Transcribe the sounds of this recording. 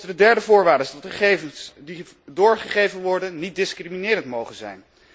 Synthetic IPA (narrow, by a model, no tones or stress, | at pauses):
dədɛɹdəvʊːɹʋaːdəɪzsdɑtχəχejvənsdi | dʊːɹχəχejvənʋɔɹdənːit̚dɪskriminɪːɾəntmowχənzɛ̰jn